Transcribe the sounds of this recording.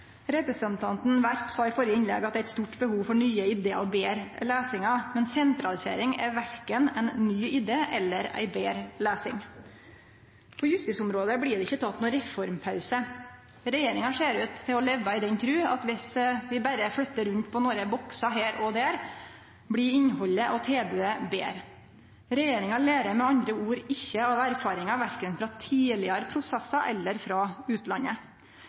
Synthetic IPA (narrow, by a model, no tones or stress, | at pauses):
ɾɛpɾəsənt̪ʰɑnt̪n̩ʋæɾpsɑɪfɔɾjəɪnlɛ̰ɡɑt̪̚ɛæɪt̪st̪uːʈbəhuːʋfɔɳyːəɪd̪eːɔbeːɾleːsɪŋɑmɛnsɛnt̪ɾɑlɪsḛːɾɪŋæ̰ɾʋæɾkənæɪnːyːɪd̪eːʔɛ̰lːəɾæ̰ɪbeːɾleːsɪ̰ŋ | pʰɔjʉst̪ɪːsʊmɾoːd̪əblɪːɖɛɪçːət̪ʰɑt̪nuːɾɛfɔɾmpʰɑʉsə | ɾɛjeːɾɪŋɑʂeːɾʉːt̪ʰːɪlɔlɛʋːɑɪd̪ɛnkʰɾʉːɑ̰t̪ʋɪsʋɪbæɾəflœt̪ːəɾʉnt̪pʰɔnoːɾəbɔksɑɦeːɾɔd̪æːɾ | bɽɪɪnhɔlːəʔɔt̪ʰeːbʉːəbḛːɾ | ɾɛjeːɾɪŋɑleːɾəɾmɛɑnd̪ɾəuːɾɪçːəɑʋæɾfɑːɾɪŋɑʋæɾkənfɾɑt̪ʰiːlɪəɾəpʰɾʊsɛsːɑʔɛlːəɾfɾɑʉːt̪lɑnːə